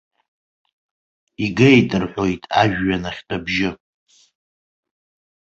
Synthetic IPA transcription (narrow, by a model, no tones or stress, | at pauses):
iɡejtʼɨrħʷo̞jtʼaʒᶣːanaχʲtʰʼabʒɪ